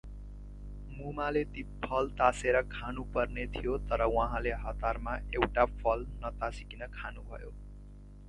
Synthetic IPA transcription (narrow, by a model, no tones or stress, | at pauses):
mumalet̪ipʰʌlt̪aseɾʌkʰanupʌrnet̪ʰijot̪ʌɾʌwʌɦãleɦʌt̪armaewʈapʰʌlnʌt̪asikinʌkʰanubʱʌ̰jo